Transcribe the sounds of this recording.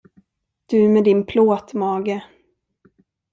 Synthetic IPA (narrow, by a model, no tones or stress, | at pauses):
d̪̥ɵmɛd̪ɪnpʰloːt̪mɑːɡə